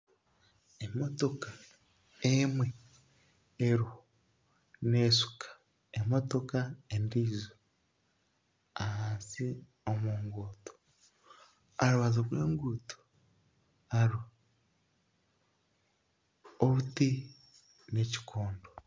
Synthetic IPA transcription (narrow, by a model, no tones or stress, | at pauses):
emoto̞ka | emwe | eɾu | nesu̥kḁ | emo̞to̞kaendiːzo | ahaːnsi | omuːŋɡoːto̥ | aɾuβazoɾwe̞ːŋɡutu̥ | aɾu | oβuti | ne̞ci̥koːndo